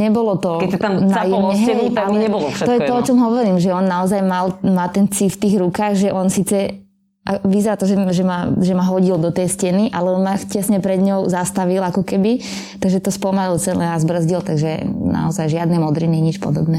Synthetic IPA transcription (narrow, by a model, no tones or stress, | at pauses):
ɲɛbɔlɔt̪ɔkɛanaajɛɦɛt̪aɛbɔlɔfʃt̪ɔjɛt̪ɔɔt͡ʃɔmɦɔʋɔɾiːmʒɛɔnːaɔzajmalmaːt̪ɛnt͡sift̪iːɣɾukaːɣʒɛʔɔnsiːt͡sɛ | ʔaʋizɛɾat̪ɔʒɛʒɛmaʒɛmaɦɔɟild̪ɔt̪ɛjscɛniʔalɛɔnmacɛsɲɛpɾɛd̪ɲɔʊzast̪aʋilakɔkɛbit̪aɡʒɛt̪ɔspɔmalilt͡sɛlɛnazbr̩zɟilt̪aɡʒɛna̰ɔzajʒɪad̪nɛmɔd̪ɾiniɲit͡ʃpɔ̰d̪ɔbnɛː